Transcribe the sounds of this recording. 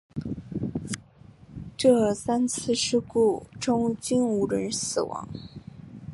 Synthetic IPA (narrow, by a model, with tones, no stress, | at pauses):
ʈ͡ʂɤ˥˩sa˥nt͡sʰɹ̩˥˩˧ʂɻ̩˥ku˥˩ʈ͡ʂʊ˥ŋt͡ɕi˥nu˧˥ɻə˧˥nsɹ̩˨˩wɑ̰˧˥˦ŋ